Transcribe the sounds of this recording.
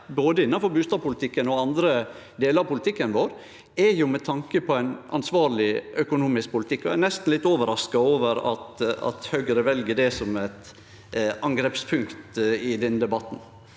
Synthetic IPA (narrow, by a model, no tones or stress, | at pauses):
boːd̪əɪnːɑfɔɾbʉːst̪ɑːʋpʊlɪt̪ʰɪkːənɔɑnd̪ɾə | d̪eːləɾɑpʊlɪt̪ʰɪkːənʋoːɾ | ɛɾjʊmɛt̪ʰɑŋkəpʰɔæɪnɑ̰nsʋɑːɾlɪʔœkʊnuːmɪsk̚pʰʊlɪt̪ʰɪkːɔænɛst̪n̩lɪt̪ːoːʋəɾɑskɑoːʋəɾɑt̪ɑ̰t̪hœːɡəɾəʋɛlɡəɖɛsɔmæɪt̪ | ɑŋɡɾɛpspʰʉŋkt̪ɪd̪ɛnd̪ɛbɑt̪n̩